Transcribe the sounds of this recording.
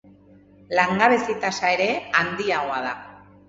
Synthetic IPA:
laŋɡaβesit̪asaeɾe̞and̪iawaða

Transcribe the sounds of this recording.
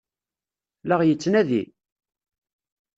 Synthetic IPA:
laʁjət͡sːnæðḭ

